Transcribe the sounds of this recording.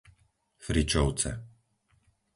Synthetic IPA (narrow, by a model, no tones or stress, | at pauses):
fɾit͡ʃɔʊt͡sɛ̰